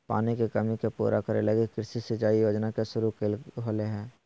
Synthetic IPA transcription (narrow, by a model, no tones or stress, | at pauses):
pa̰ːnekekɐmikepṵːɾʔakəɾḛləɡekɪɾsisɪt͡ʃaːijoːd͡ʒnakesʊɾukeɦoːleɦɛ̃ː